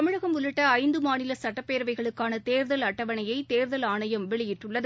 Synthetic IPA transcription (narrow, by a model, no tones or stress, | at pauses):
ɐmɯɻɐɣɐmʊlɪʈːɐɐɪnd̪ɯmaːnɪlɐsɐʈːɐpːeːɾʋɐɪɣɐɭɯkːaːnɐt̪eːɾðɐlɐʈːɐʋɐnɐjɐɪt̪eːɾðɐlaːnɐjɐmʋɛɭɪjɪʈrɯɭːɐð